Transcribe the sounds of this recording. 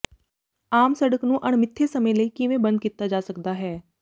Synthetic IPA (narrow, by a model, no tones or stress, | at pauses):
aːmsɐɽəknũʔɐɳ̃mɪt̪ʰːesɐmə̃jləikiʋẽbɐ̃nd̪̚kɪt̪ːad͡ʒaːsɐkd̪aɦɛː